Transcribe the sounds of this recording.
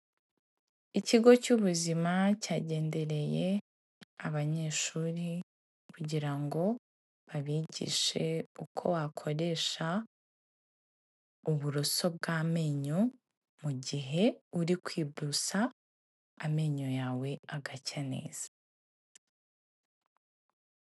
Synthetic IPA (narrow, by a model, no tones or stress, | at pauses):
iciɡo̞cuβuzimacaːɟe̞ːnde̞ɾe̞je̞ | aβaɲe̞ːʃuːɾi | kuɟiɾaŋɡo̞ | βaβiːɟḭʃe̞ukʰo̞̰wakʰo̞ɾe̞ʃa | uβuɾoso̞b̚ɡaːme̞ːɲo | muɟiɦe̞uɾikwiːbdusaː | me̞ːɲojaːwe̞aɡacane̞̰ːz̥a